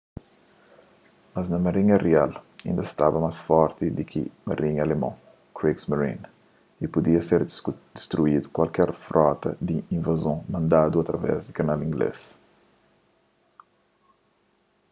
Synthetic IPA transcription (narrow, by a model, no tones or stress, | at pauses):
mɐznɐmɐɾĩɲɐrialḭ̃nd̪ɐst̪avɐmasfɔɾt̪id̪ikʰḭmɐɾʔĩɲɐlemɐ̰̃ | kɾiksmɐɾḭ̃n | ipud̪iɐseɾd̪̥ist̪ɾuid̪ukwalkɛɾfɾʔɔt̪ɐ̰d̪iĩvazõmɐ̃nd̪ad̪uɐt̪ɾɐvɛ̰zd̪ɪkɐnalĩŋɡlḛs